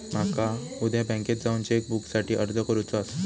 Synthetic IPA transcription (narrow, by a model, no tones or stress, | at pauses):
m̤akaud̪ʱjabɛ̃ŋket̪̚d͡zauɲt͡ɕaek̚buksaʈʰiːʔəɾd͡zʱəkəɾut͡sɔas